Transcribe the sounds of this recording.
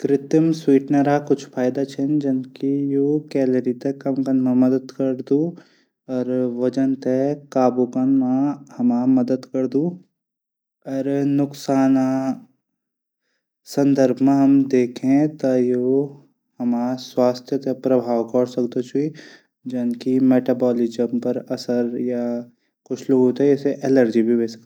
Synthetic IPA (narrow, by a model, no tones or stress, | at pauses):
kɾɪt̪əmswiːʈneɾakʊt͡ʃʰpʰaːjd̪at͡ʃʰend͡ʒɐnkijokɛːləɾit̪ekɐmkɐnmãmɐd̪əd̪kɐɾd̪u | ɔːɾʋɐd͡ʒənt̪ekaːbukənmãhɐmamɐd̪əd̪kɐɾd̪uː | ɔːɾnʊksaːna | sə̃nd̪əɾbʱmẽɦɐmd̪eːkʰẽt̪ajo | hɐmaːswaːst̪ʰjət̪epɾɐbʱaːwkɔːɽsɐkd̪ot͡ʃʰui | d͡ʒɐnkimeːʈabɔːlɪd͡ʒəmpɐɾɐsəɾja | kʊt͡ʃʰloɡot̪ɛɛːseʔɛːləɾd͡ʒibʱibeːsə̥